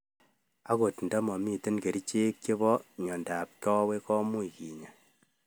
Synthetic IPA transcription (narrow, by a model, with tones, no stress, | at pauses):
a˦ko˨tn̩da˦mɔ˨mi˦te˦nke˨ɾi˦t͡ʃe˦ke˦βɔ˦ɲɔ˨nda˨p̚kɔ˦we˦kɔ˦mu˦iki˨ɲa˨